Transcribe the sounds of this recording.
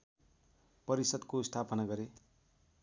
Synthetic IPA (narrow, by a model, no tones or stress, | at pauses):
pʌɾisʌd̪kost̪ʰapʌnaɡʌɾe